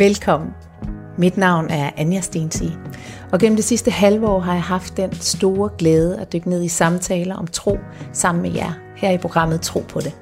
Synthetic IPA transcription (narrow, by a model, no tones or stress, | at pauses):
ʋelkʰɒ̽m̰n̩ | mid̥nɑ̈ʊ̰næɐʔænjæsd̥ensi | ɒ̽ɡ̥en̰m̩d̥esisd̥əhælʋəɒ̰ːɦɑ̈jɑ̈ɪɦɑ̈fd̥ːensd̥o̝ːɐɡ̥leːð̞ˠəæd̥øɡ̥əne̝ð̰ˠisɑ̈mt͡sʰɛːləʔɒ̽mt͡sʰʁo̝̰ː | sɑ̈m̰n̩mejæɐ | hæɐ̰ipʰʁo̝ɡ̥ʁɑ̈m̰ð̩ˠt͡sʰʁo̝̰ːpʰɒ̽ɾ̥e̝